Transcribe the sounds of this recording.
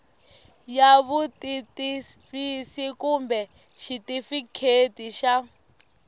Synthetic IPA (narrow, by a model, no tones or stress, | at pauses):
jaβutitiβisikumbɛ | ʃitifikʰetiʃa